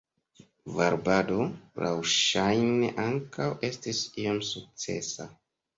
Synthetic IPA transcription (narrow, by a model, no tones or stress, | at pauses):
vaɾbado̞la̰wʃajneʔaŋkawʔe̞stisiomsuk̚t͡se̞̰sa̰